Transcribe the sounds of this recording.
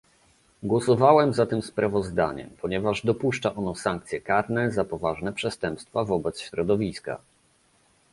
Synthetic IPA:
ɡwɔsɔvawɛmzat̪ɘmspɾavɔzd̪a̰ɲɛ̰mpʰɔɲɛvaʐd̪ɔpuʂt͡ʂaʔɔnɔsaŋkt̪sʲjɛkaɾnɛzapɔvaʐnɛpʂɛst̪ɛmpst̪favɔbɛt̪sɕɾɔd̪ɔvʲiska̰

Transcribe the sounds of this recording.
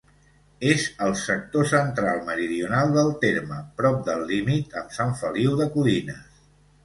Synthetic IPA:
ezəlˠsək̚t̪osənt̪ɾalˠməɾiðiunalˠd̪əlˠt̪eɾməpɾɔp̚d̪əlːimit̪əmsaɱfəliwðəkulinəs

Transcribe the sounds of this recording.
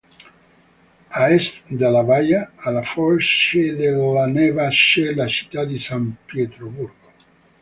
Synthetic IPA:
aɛst̪d̪alavajaːlafɔʃed̪eloanɛvaʃelat͡ʃi̥t̪ːad̪isampjɛt̪ɾoburɡo

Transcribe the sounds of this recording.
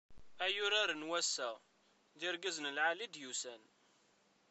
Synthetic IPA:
æjʊɾaɾənwæsːæ | ðɪɾɡəzənəlʕalid̪jusæn

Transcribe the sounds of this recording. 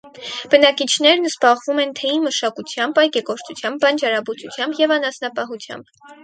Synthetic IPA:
b̥ənɑkit͡ʃʰnɛɾnzbɑʁvumɛnt̪ʰɛinməʃɑkut͡sʰjɑmbɑjkɛkɔɾt͡sʰut͡sʰjɑmbɑnd͡ʒɑɾɑbut͡sut͡sʰjɑmbjɛvɑnɑsnɑpɑɦut͡sʰjɑ̰mb

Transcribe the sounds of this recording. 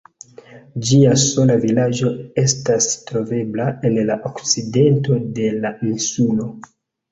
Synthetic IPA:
d͡ʒiaso̞lavilad͡ʒo̞e̞stastɾo̞ve̞blaenlaʔokt͡side̞nto̞de̞lainsulo̞

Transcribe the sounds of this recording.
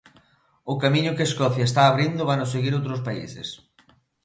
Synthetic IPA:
ʊkamĩɲʊkeeskɔθjaest̪aːβɾind̪ʊβanʊseɣiɾowt̪ɾʊs̬paḭsḛs

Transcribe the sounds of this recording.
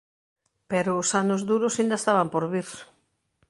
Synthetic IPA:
peɾʊːsanʊzðuɾʊsind̪ɐest̪aβampoɾβiɾ

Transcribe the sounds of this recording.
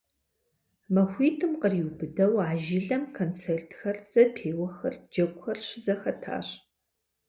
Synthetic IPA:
mɐxʷiːtʰɨmqəriwbɨdɐwaːʒɪɮɐmkʰoːnt͡sʰeːrtʰxɐrz̥ɐpʰeːwɐxɐ̰rd͡ʒɐkʷxɐrʃɪzɐxɐtʰa̰ːɕ

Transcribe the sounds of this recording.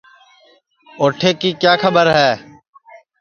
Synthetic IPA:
oːʈʰeːkiːkjaːkʰəbəɾɦɛː

